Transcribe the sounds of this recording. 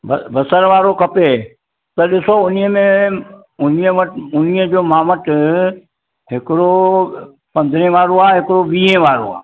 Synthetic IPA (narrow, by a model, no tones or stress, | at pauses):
bbɐsəɾʋaːɾokʰɐpe | t̪ɐɗɪsoʊnɪɦəmẽ | ʊniə̃əʈʊniə̃d͡ʑoːmaːməʈ | ɦɪkɪɽo | pɐ̃nd̪ʱɾẽʋaːɾoaːɦɪkɪɽoʋiːɦẽʋaːɾo̰a̰ː